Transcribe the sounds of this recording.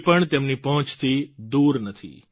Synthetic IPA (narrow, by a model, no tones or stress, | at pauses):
pəɳt̪emnipəɦə̃t͡ʃt̪ʰid̪uɾnət̪ʰḭ